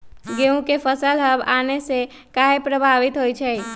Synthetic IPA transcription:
ɡeũkepʰəsəlɦəbanese | kaɦepɾəbʱaʋit̪ɦojt͡ʃʰɛ

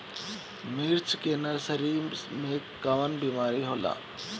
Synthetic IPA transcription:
mɪɾt͡ʃʰkeːnəɾsɐɾimẽkaʋənbiːmaːɾiɦoːla̰ː

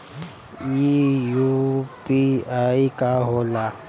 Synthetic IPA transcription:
ijupʼiajikʼaɦʊla

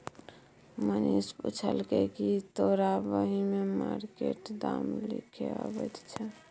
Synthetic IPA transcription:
mənisput͡ʃʰəlkɛkit̪oɾabəɦimemaɾkeʈd̪amlikʰeəbɛt̪t͡ʃʰɛ

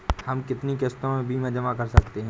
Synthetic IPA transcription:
hɐmkɪt̪nikest̪õbʱimẽd͡ʒɐmakɐɾsɐkt̪eɦɛ̃

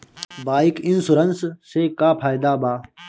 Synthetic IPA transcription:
baːikinsuɾɐnsseːkaːpʰaːjd̪aːbaː

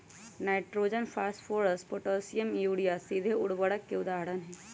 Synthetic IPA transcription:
naːɪʈɾoːd͡ʒənfʰaːsʈfʰoːɾəsʈpoʈoːsijəmjuːɽijasid̪ʱeʊɽʋəɽəkːeʊd̪aːɽənɦɛː

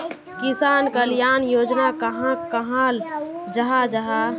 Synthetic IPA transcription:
kɪsaːnkəljaːnjoːd͡ʒnakəɦãkəɦãld͡ʒaɦad͡ʒaɦa

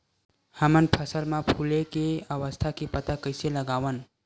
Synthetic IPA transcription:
həmənpʰəsəlmãpʰulekeəʋəst̪ʰakipət̪akəɪseləɡaːʋən

